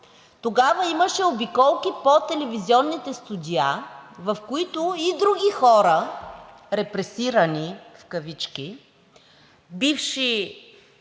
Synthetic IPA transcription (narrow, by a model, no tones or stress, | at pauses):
t̪oɡavəiməʃɛobikɔlˠkʲipot̪ɛlɛviziɔnːit̪ɛst̪ud̪ʲiavɐfkoit̪ʊid̪ɾuɡʲixɔɾə | ɾɛpɾɛsiɾənifkɐvit͡ʃkʲi | bifʃi